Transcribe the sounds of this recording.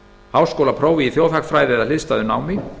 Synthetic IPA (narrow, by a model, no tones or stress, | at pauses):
hawskowlapʰɾoːwvɪiθjoːwθhakfɾaːjðɪɛðalɪðst̪aðʏnaːwmɪ